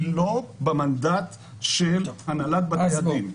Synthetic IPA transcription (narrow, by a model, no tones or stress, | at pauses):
lobemand̪at̪ | ʃelanalat̪̚basadim